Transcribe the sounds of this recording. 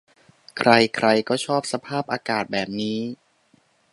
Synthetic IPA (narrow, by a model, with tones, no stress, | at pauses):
kʰɾa˧jkʰɾa˧jkɔː˥˩t͡ɕʰɔː˥˩p̚sa˧pʰaː˥˩p̚ʔaː˧kaː˨˩t̪̚bɛː˨˩p̚niː˦˥